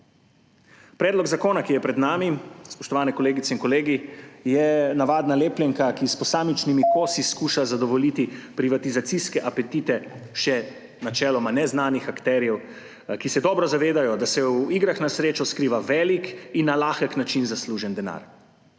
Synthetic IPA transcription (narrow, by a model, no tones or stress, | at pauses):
pɾɛːd̪lɔɡzakoːnakijɛpɾɛd̪naːmispɔʃt̪ɔʋaːnɛkɔleːɡit̪sɛiŋkɔleːɡijɛnaʋaːd̪naleːpljɛŋkakispɔsaːmit͡ʃnimikosiskuːʃazad̪ɔʋɔlit̪ipɾiʋat̪izat̪siskɛʔapɛt̪it̪ɛʃɛ | nat͡ʃɛːlɔmanɛznaːnixakt̪ɛːɾjɛw | kisɛd̪ɔːbɾɔzaʋeːd̪ajɔd̪asɛwiɡɾaxnasɾeːt͡ʃɔskɾiʋaʋɛːlikinːalaːxəknat͡ʃinzasluʒɛnd̪ɛna̰ːɾ